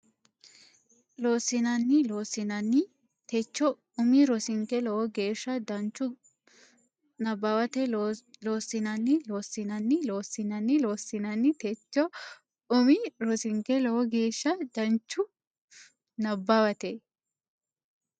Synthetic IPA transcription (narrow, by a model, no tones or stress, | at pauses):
lo̞ːsɪnɐnːɪlo̞ːsɪnɐnːɪ | t̪ɛt͡ʃːɔ | ʊmiɾɔsɪŋkɛlɔwɔɡeːʃːɐd̪ɐnt͡ʃːʊ | nɐbːɐwɐt̪ɛlo̞ːsːɪnɐnːɪloːsɪnɐnːɪlo̞ːsɪnɐnːɪloːsːɪnɐnːɪt̪ɛt͡ʃːɔ | ʊmɪɾɔsɪŋkɛlɔwɔɡeːʃːɐd̪̥ɐnt͡ʃːʊ | nɐbːawɐt̪ɛ